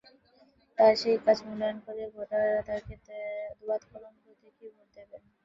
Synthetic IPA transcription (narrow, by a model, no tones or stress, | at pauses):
t̪aɾʃejkad͡ʑmulaonkoɾeɾɡʱoʈaɾat̪aɾkeed̪ubad̪kɔɾomkot̪ekiboɾt̪eben